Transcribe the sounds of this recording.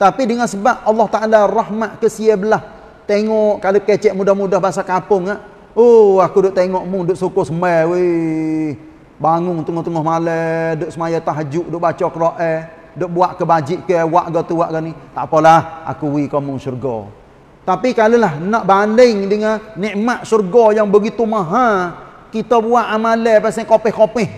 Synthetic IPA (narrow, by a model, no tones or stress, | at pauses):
t̪apidəŋansəbaʔ̚ɑlːɑht̪aʔalarahmaʔ̪kəsiəbəlah | t̪eŋɔʔkaloket͡ʃɛʔmudahmudahbaɦas̬akapʊŋaʔ | oakudʊʔt̪eŋɔʔmʊŋdʊʔsukʊsəməwe | baŋʊŋt̪əŋʊht̪əŋɔhmalədoʔsəmajat̪aɦəd͡ʒuʔdʊʔbat͡ʃɔkəɾoʔɛ | doʔbuaʔkəbad͡ʒɪʔkəwaʔɡɔt̪uwaʔɡaniht̪a̰pɔlaha̰kuwikɔmʊŋsurɡɔ̰ | t̪apikalulahnaʔbaləŋdəŋanɛʔmaʔsurɡɔjaŋbəɡit̪umaɦa | kit̪əbuaʔamaləpasɛŋkopɛhkopɪh